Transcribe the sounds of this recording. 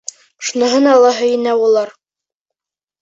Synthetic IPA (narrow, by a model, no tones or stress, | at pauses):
ʃunɤ̆ɦɤnɑlˠːɑɦɵ̆jɘ̆næulˠɑɾ